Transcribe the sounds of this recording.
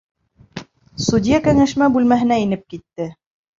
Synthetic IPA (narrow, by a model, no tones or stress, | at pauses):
sudʲijakæŋæʃmæbʉlmæɦɘ̆næinɘp̚kit̪ːɘ